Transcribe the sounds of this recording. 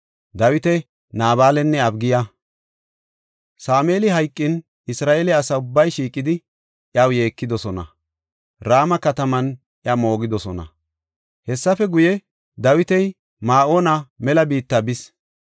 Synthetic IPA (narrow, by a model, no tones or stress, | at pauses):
d̪ɐwɪt̪ɛ | naːβaːlɛnːɛɐbɡɪjɐ | saːme̞ːlɪɦɐjkʼːɪn | ɪsɾaːʔeːlɛɐsɐʊbːɐjʃiːkʼːɪd̪ɪ | ʔjɐwje̞ːkːɪd̪ɔsɔnɐ | ɾaːmɐkɐt̪ɐmɐn | ʔɪɐmo̞ːɡɪd̪ɔsɔnɐ̰ | hɛsːɐfɛɡʊjɛ | d̪ɐwɪt̪ɛj | maːʔoːnɐmɛlɐbiːt̪ːɐbɪs